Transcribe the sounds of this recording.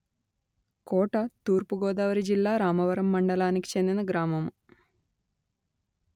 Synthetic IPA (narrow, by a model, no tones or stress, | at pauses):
koːʈɐt̪uːɾpuɡoːd̪aːʋɐɾid͡ʒilːaːɾaːmɐʋɐɾɐmːɐɳɖɐlaːniki̥t͡ʃe̞nd̪inɐɡɾaːmɐm